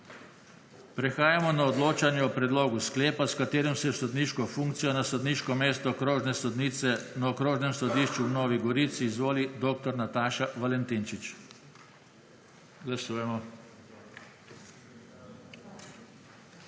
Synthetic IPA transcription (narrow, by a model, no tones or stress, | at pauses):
pɾɛxaːjamɔnaɔd̪loːt͡ʃanjɛɔpɾɛd̪loːɡuskleːpaskat̪eːɾimsɛsɔd̪niːʃkɔfuŋkt̪sijɔnasɔd̪niʃkɔmeːst̪ɔkɾoːʒnɛsɔd̪niːt̪sɛnaɔkɾoːʒnɛmsɔd̪iːʃt͡ʃuwnoːʋiɡɔɾiːt̪siːzʋoːlid̪oːk̚t̪ɔɾnat̪aːʃaʋalɛnt̪int͡ʃit͡ʃ | ɡlasuːjɛmɔ